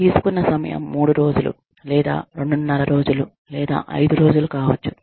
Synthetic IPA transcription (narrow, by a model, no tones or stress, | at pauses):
t̪iːsu̥kunːɐsɐmɐ̰jɐ̰mːuːɽuɾo̞ːd͡ʒulṵ | lɛːd̪a̰ːɾe̞ɳɖunːɐlɐɾo̞ːd͡ʒulu | lɛːd̪a̰ːʔɐ̰jd̪uɾo̞ːd͡ʒulukaːʋɐt͡ʃːu̥